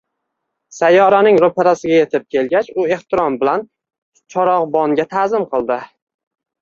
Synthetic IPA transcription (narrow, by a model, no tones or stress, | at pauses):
sajːɒɾanɪŋɾopʰeɾasɪɡʲaje̞t̪ʰɪp̚kʲʰe̞lɡʲat͡ʃʊe̞ht̪ɪɾɒmbɪlan | t͡ʃʰɒɾɒʁbɒŋɡʲat̪ʰazɪmqʰɨlˠd̪ɪ